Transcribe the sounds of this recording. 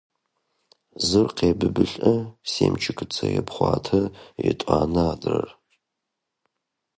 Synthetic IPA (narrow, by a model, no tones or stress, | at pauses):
zɨrqʰeːbɨbɨɬʼɐseːmt͡ʃʰɪkʰɨt͡sʰɐjɛpχʷɑ̰ːtʰɐjɛtʷʼaːnɨadrɐr